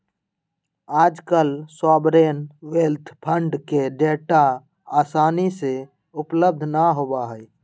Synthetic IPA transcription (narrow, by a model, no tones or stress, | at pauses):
aːd͡ʒkəlsɔːbɾeːnweːlt̪ʰpʰə̃ɳɖkeɖeːʈa | aːsaːnise | ʊpləb̚d̪ʱnaɦoːbaɦɛi